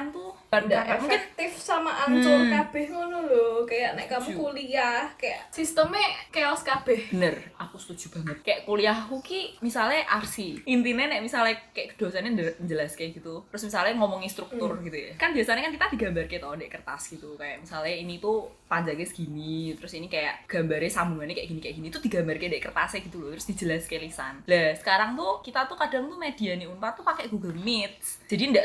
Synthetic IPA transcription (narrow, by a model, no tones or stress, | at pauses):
ant̪ubandaʔmufɪk̚t̪ɪfsamaʔaɲt͡ʃʊrkab̥ɛhŋɔnɔlɔkajaʔnɛʔkamukuliahkaja̰ʔsist̪əmɛkeɔskab̥ɛhb̥ənərakust̪u̥d͡ʒ̥ṳb̥a̤ŋət̪̚kajaʔkuliahkukimisalɲaʔarsiʔint̪inɛnɛʔmisalekajaʔkəd̪̥oasanɲad͡ʒɲd͡ʒəlaskajɡ̥it̪ut̪əɾʊsmisalŋɔmɔŋist̪ɾuk̚t̪ʊrɡit̪ujakanbiasaɲakankit̪ad̥i̤ɡ̥ambarket̪ɔdɛʔkərt̪asɡ̥it̪ukajaʔmisalinit̪upaɲd͡ʒaŋɡɪsɡ̥init̪əɾʊsinikaja̰ʔɡ̥a̤mbaɾesambuŋanekajaʔɡ̥inikajaʔɡ̥init̪ud̥iɡambarkedɛʔkərt̪aseɡ̥it̪ulot̪ɾʊsd̥i̤d͡ʒəlaskelisa̰nlasə̥kaɾaŋt̪ukit̪at̪ukad̥a̤ŋt̪umed̥ianiunpat̪upakɛɡ̥uɡəlmɪt̪̚s | d͡ʒ̥adiəndaʔ